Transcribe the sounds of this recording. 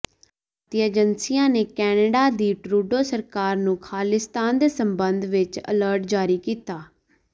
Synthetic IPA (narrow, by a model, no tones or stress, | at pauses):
t̪iəːd͡ʒənsijãːneːkɛːnəɖaːd̪iːʈɾuːɖoːsəɾkaːɾnũːkʰaːlɪst̪aːnd̪eːsəmbənd̪ʋɪt͡ʃə̰ləɾʈd͡ʒaːɾiːkiːt̪aː